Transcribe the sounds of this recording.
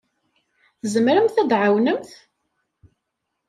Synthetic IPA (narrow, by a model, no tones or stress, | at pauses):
θzəmɾəmθæd̪ʕawnəmθ